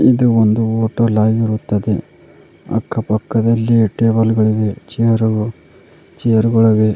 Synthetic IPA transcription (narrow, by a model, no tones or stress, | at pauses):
id̪uond̪uoːʈɐlaːjiɾut̪ːɐd̪e | ɐ̰kːɐpɐkːɐd̪ɐlːiʈeːbɐlɡɐɭiɡet͡ʃijɐɾuɡu | t͡ʃijɐɾuɡɐɭɐɡe